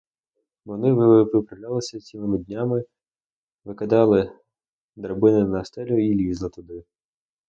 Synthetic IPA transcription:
ʋɔnɪʋɪpɪpɾɐwlʲalˠɪsʲɐt͡sʲimɪmɪd̪ʲnʲamɪ | ʋɪkɐd̪ɑlˠɪ | d̪ɾɐbɪnɪnɐst̪ɛlʲʊilʲizlˠɪt̪ʊd̪ɪ

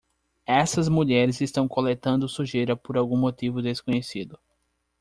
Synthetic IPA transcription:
ɛsɐzmuʎɛɾɪzɪst̪ɐ̃w̃kolet̪ɐ̃nd̪ʊsuʒejɾɐpoɾawɡũmot̪ivʊd̪eskõɲesid̪ʊ

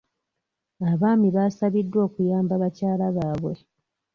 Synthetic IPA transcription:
aβaːmiβaːsaβidːwo̞ːkujaːmbaβacaːlaβaːβwe̞̰

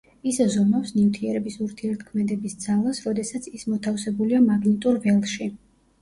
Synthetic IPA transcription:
iszɔmafsnivt̪ʰiɛɾɛbisuɾt̪ʰiɛɾt̪̚ʰkʰmɛd̪ɛbisd̪zalˠasɾɔd̪ɛsat̪sʰismɔt̪ʰafsɛbuliamaɡnit̪ʼuɾvɛlˠʃi

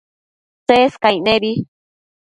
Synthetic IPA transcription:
seskajnẽβi

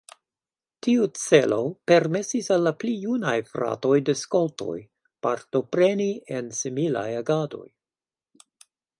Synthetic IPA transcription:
tiut͡se̞lo̞pe̞ɾme̞sisalːaplijunajfɾa̰to̞jdeskolto̞̰j | paɾto̞pɾe̞niensimila̰jaɡado̞̰j

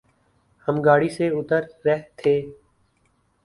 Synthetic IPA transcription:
həmɡaːɽiːseːʊt̪əɾːɛɦt̪ʰeː

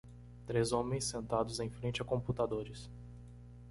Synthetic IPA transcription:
t̪ɾezõmẽj̃sːẽnt̪ad̪ʊzẽj̃fɾẽnt͡ʃɪakõmput̪ad̪oɾɪs

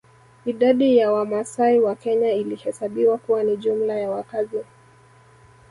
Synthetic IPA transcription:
iɗaɗijawamasaiwakɛɲailihɛsaɓiwakuwaniʄum̩lajawakazi

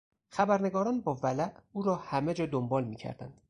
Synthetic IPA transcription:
xæbæɾne̞ɡɒːɾɒːnbɒːvælæʔuːɾɒːhæmed͡ʒɒːd̪ombɒːlmiːcʰæ̰ɾd̪æ̰nd̪̥

